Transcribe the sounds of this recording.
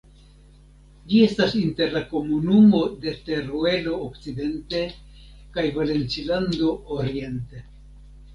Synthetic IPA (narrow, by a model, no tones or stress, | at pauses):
d͡ʒie̞stasinte̞ɾlako̞munumo̞de̞te̞ɾoe̞lo̞ːkt͡side̞nte̞ | kajvale̞nt͡siland̪o̞ːɾie̞nte